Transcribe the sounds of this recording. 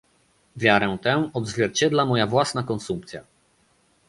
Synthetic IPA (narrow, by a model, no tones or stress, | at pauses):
vʲjaɾɛ̃w̃t̪ɛw̃ɔd̪zvʲjɛɾt͡ɕɛd̪lamɔjavwasnakɔnsumpt̪sʲja